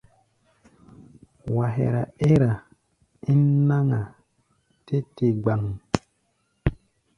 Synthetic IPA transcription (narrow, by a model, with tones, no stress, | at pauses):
wa˨ɦḛ˨ɾa˨e˦ɾa˨ | i˦n˦na˦ŋa˨ | te˦te˨ɡ͡ba˨ŋ˨